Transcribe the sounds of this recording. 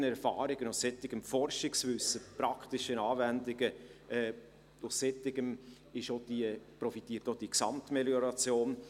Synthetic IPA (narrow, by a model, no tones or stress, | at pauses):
nɛɾfɑːɾɪɡ̥ənʊssɛt̪ɪɡ̥əmfɔɾʃɪksvʏsːəpɾɑktɪʃənɑːvændɪɡ̥əɛː | ʊssɛt̪ɪɡəm | ɪʃod̥iəpɾɔfit̪iːətod̥iksɑ̰mt̪meljɔɾɑt͡sjoːn